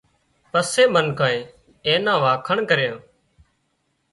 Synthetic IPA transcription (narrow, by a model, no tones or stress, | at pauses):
pəseːmənkãːẽː | eːnãːʋaːkʰəɳkəɾjãː